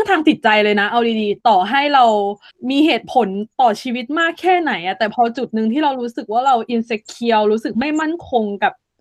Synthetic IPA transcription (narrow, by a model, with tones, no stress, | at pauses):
ŋt̪ʰaː˧mt̪i˨˩t̪̚t͡ɕa˧jlɤː˧jna˦˥ʔa˧wdiː˧diː˧t̪ɔː˨˩ɦa˥˩jɾa˧w | miː˧ɦeː˨˩t̪̚pʰo˨˩˦nt̪ɔː˨˩t͡ɕʰiː˧wi˦˥t̪̚maː˥˩kʰːɛː˥˩na˩˦jʔa˨˩t̪ɛː˨˩pʰɔ˧˥t͡ɕu˨˩t̪̚nɯ˧ŋʰiː˥˩ɾa˧wɾuː˦˥sɯ˨˩k̚waː˥˩ɾa˧wʔi˧nse˦˥kʰːi˧əwɾuː˦˥sɯ˨˩k̚ma˥˩jma˥˩nkʰo˧ŋka˨˩p̚